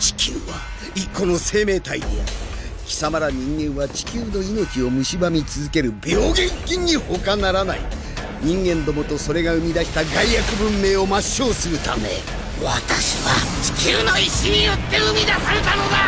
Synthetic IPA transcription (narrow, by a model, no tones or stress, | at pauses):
t͡ɕi̥kʲʰɨ̰ːβa | ikːo̞no̞se̞ːme̞ːt̪ait̪ea̰ɾɯkʲi̥samaɾaɲ̟ĩŋɡẽ̞ɰ̃βat͡ɕi̥kʲɨːno̞ino̞t͡ɕio̞mɯ̟ɕibamʲit͡sɨzɨke̞ɾɯ̟bʲo̞ːɡẽ̞ŋkʲĩɲ̟ːiho̞kanaɾanaḭ | ɲ̟ĩŋɡẽ̞nd̪o̞mo̞t̪o̞so̞ɾe̞ɡaɯ̟mʲid̪aɕi̥t̪aɡaijakɯ̟bɯ̟̃mːe̞ːo̞maɕːo̞ːsɨɾɯ̟t̪a̰me̞̰ | βat̪aɕiβat͡ɕi̥kʲɨːno̞iɕiɲ̟ijo̞t̪ːe̞ɯmʲid̪asaɾe̞t̪ano̞d̪a